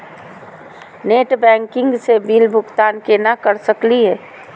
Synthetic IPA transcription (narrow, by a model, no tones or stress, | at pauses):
neːʈbɛ̃ːŋkɪ̃ŋɡsebiːlbʱʊkt̪aːnkenakəɾsəkliɦɛː